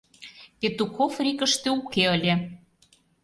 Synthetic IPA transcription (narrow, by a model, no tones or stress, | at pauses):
pʲet̪ukofrʲikə̆ʃt̪eukeəlʲe